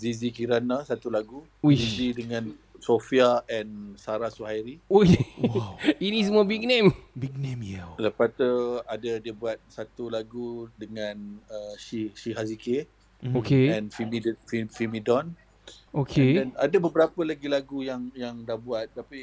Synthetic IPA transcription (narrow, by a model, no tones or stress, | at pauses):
zizikiɾanasat̪ulaɡu | zizidəŋãnsofiaɛ̃nsaɾasuhajɾiowitismobiɡ̚nẽmbiɡ̚nẽmjɛləpat̪uadadiəbuat̪̚sat̪ulaɡudəŋãnəʃiʃiɦazike | okeɛ̃nfimidfifimidɔn | okʰeɛndɛnadabəbəɾapəlaɡilaɡujaŋjaŋdahbuat̪̚t̪api